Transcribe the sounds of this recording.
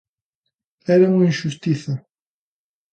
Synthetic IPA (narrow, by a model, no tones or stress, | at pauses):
ɛɾɐuŋɐinʃust̪iθɐ